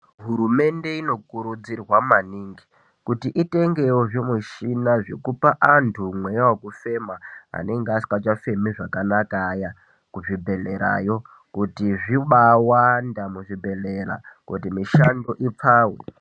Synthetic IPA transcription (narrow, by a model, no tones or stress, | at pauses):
ɦuɾume̞nde̞ino̞kuɾud͡zirwamaniːŋɡi | kutiʔite̞ŋɡe̞woʐimuʃinaʐekupaʔantʰumwe̞jawokufe̞maa̰ne̞ŋɡeasi̥kat͡ʃafe̞miʐakanakaja | kuʐibʱe̞leɾa̰jo̞ | kutiʐiɓawandamuʐibʱe̞leɾa̰kṵtimiʃando̞ʔip͡faːwḛ